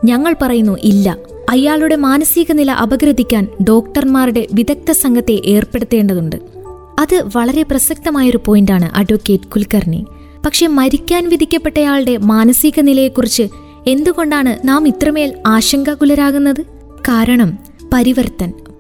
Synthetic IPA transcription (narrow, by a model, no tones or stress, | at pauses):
ɲɐŋːɐɭpɐrɐjunːuʔilːɐ | ɐjaːɭuɽe̞maːnɐsiɣɐnilɐʔɐbɐɡɾɐd̪ʱikʲːaːnɖo̞ːkʈɐrmaːruɽe̞ʋiðɐk̚t̪ɐsɐŋɡʱɐt̪ːe̞ʔeːrpe̞ɽut̪ːe̞ːɳɖɐðuɳɖɨ̰ | ɐðɨʋɐɭɐɾe̞prɐsɐk̚t̪ɐmaːjo̞ɾupo̞ːjindaːɳɨ̰ʔɐɖʋɐkːe̞ːtkulkɐrnḭ | pɐkʂe̞mɐɾikʲːaːnʋid̪ʱikʲːɐpːe̞ʈːɐjaːɭɨɽe̞maːnɐsiɣɐnilɐjekːurit͡ɕːɨ | e̞nd̪uɣo̞ɳɖaːɳɨnaːmit̪rɐme̞ːlaːɕɐŋɡɐkulɐɾaːɣunːɐðɨ | kaːɾɐɳɐm | pɐɾiʋɐrt̪ːɐn